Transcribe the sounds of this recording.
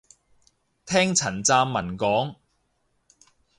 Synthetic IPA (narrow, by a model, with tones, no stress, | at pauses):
t̪ʰɛː˥ŋt͡sʰɐ˨˩nt͡saː˧mːɐ˨˩nkɔː˨˥ŋ